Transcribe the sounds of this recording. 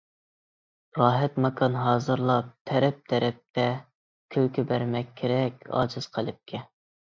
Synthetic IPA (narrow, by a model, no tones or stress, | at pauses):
ɾɑːɦɛt̪mɑkʰɑnɦɑːzɨɾlˠɑp̚t̪ʰɛɾɛp̚t̪ʰɛɾɛp̚t̪ʰɛ | kʲʰøwkʲibæɾmɛkʲʰːeɾɛkʲʰɑ̰ːd͡ʒɨz̥qʰəlˠɨp̚kʲʰɛ